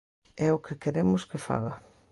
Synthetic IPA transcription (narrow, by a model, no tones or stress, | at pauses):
ɛʊkʰɪkeɾemʊskɪfa̰ɣɐ